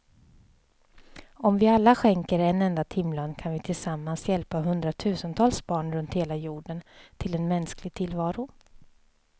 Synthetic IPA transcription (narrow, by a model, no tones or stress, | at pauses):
ɔmvɪalːaɧɛŋkəɾɛnːɛnd̪at̪ʰɪmːlankʰanvɪt̪ʰɪlsamːansjɛlpaɦɵnd̪ɾat̪ʰʉ̟ːsənt̪ʰɑːlsbɑːɳɾɵnt̪heːlajuːɖənt̪ʰɪlɛnmɛnsklɪɡ̚t̪ʰɪlvɑːɾʊ